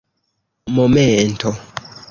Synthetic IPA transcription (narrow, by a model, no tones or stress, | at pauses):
momentʰo